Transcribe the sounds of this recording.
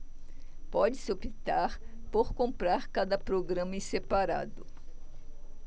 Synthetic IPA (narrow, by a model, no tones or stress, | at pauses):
pɔd͡ʒɪsɪopit̪aɾ | poɾkõmpɾaɾkad̪ɐpɾoɡɾɐ̃mɐĩsepaɾa̰d̪ʊ